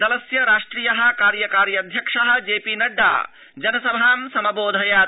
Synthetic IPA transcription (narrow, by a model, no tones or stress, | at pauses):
ɐlɐsjɐɾaːʂʈɾiːjɐɦɐ̆kaːɾjɐkaːɾjɐd̪ʱjɐkʂɐɦɐ̆d͡ʒeːpiːnɐɖːa̰ː | d͡ʒɐnɐsɐbʱaːmsɐmɐboːd̪ʱɐjaː